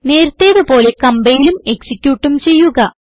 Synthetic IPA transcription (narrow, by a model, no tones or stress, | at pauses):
ne̞ːɾut̪ːe̞ːðɨpo̞ːle̞kɐmbɐjilume̞ksikʲːjuːʈːumt͡ɕe̞jːuɣɐ